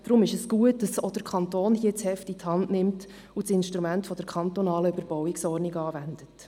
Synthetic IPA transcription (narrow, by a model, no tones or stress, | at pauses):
d̥ɾʊmɪʃəsɡ̥uət̚dɑsɔd̥əɾkʰɑntoːnhiət͡shɛftithɑndnɪmt | ut͡sɪnʃtɾumæntfɔd̥əɾkʰɑnt̪ɔnɑːləyb̥əɾb̥ɔwɪksɔɾnikɑːvændət